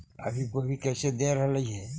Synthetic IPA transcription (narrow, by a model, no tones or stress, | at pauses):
ə̰bʱikobʱikɛːsed̪eɾəɦləiɦɛ